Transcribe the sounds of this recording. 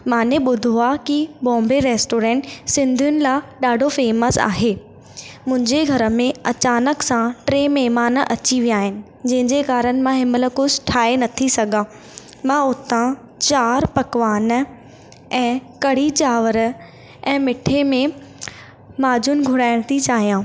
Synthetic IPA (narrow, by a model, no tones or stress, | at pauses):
mãːnẽɓʊd̪ʱoakiɓɔ̃ːmbeɾeːsʈoːɾɛ̃ːɳʈsɪ̃nd̪ʱijʊnɪ̆laɗaːɖʱofeːməsa̰ːɦeː | mʊ̃ɦɪ̃ɲd͡ʑeɡʱɐɾə̆mẽɐt͡ɕaːnəksãʈɾeːmɛːmaːnəʔɐt͡ɕiʋijaːɦɪnɪ̆ | d͡ʑɐ̃ɦɪ̃ɲd͡ʑekaːɾənɪ̆mãɦɪmələ̆kʊsʈʰaːenɐt̪ʰisɐɡãː | mãːʊt̪ã | t͡ɕaːɾpɐkʋaːn | ɛ̃ːkɐɽ̤it͡ɕaːʋəɾ | ɛ̃ːmɪʈʰemẽ | maːd͡ʑʱʊnɪɡʱʊɽaːɪɽ̃t̪ʰit͡ɕaːɦijãː